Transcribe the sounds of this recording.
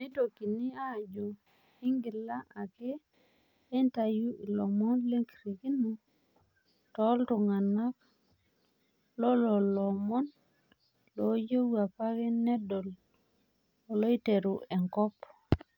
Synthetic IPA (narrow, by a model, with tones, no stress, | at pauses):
mi˦to˨ki˨ni˦a˦˨d͡ʒo˨ | i˦ŋɡi˨la˦ʔa˨keː˦ | nta˨ju˦ʔi˨lɔ˨mɔ˦nle˦ŋki˨ɾi˨ki˦nu˦ | tɔ˦ltu˨ŋa˨na˦k̚ | lɔ˦lɔ˨lɔ˨mɔ˦n | lo˨˦d͡ʒo˦ua˨pa˦ke˦nːe˦do˨l | o˨lo˦i˦te˨ɾu˨ʔe˨ŋkɔ˦p